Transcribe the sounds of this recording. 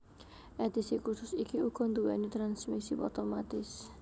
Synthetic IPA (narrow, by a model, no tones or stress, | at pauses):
ʔɛd̪isikusʊsikiukɔnd̪uwɛnit̪ɾansmisipɔt̪ɔmat̪ɪs